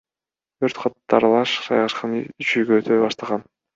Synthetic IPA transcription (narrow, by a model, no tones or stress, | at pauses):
t̪ʰøɾt̪qʰɑt̪ːɑɾlˠɑʃsɑ̰jʁɑʃqɑnyt͡ʃʰyjɡøøt̪ʰøjbɑʃt̪ɑʁɑn